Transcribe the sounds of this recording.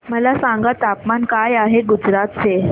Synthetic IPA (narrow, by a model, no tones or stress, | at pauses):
məlasãŋɡat̪apmankajaɦeɡud͡zɾat̪̚se